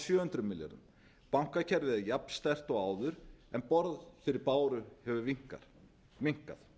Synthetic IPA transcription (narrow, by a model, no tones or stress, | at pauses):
sjœːhʏnt̪ɾʏmɪlja̰ɾʏ̰m | pawŋ̥kacʰɛɾðɪðajapn̥st̪ɛr̥t̪ɔɣaːwðʏɾɛnpɔɾðfɪɾɪɾpaːwɾʏhɛvʏviŋ̥ka̰ | viŋ̥ka̰θ